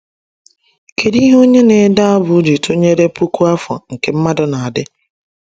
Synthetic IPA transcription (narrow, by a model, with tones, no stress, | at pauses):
kʰe˨ɾi˦ɦo˦ɲe˦ne˨da˦a˦bʊ˨˦d͡ʒi˨to˦ɲe˦ɾe˦pu˦ku˦a˦fɔ˨ŋ̩˨ke˨m̩˦ma˦dʊ˨na˨a˨dɪ˦